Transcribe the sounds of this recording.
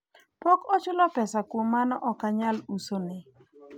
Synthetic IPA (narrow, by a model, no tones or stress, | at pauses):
pokɔt͡ʃʊlɔpɛsakʊmanɔʔɔkaɲalusonɪ